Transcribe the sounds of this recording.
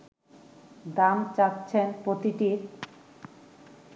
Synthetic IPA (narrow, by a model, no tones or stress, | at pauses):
d̪amt͡ɕat̪ːɕʰenpɾot̪iʈiɾ